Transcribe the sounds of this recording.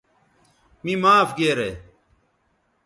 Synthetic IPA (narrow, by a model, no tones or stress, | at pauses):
mĩmaːfɡeːɾeː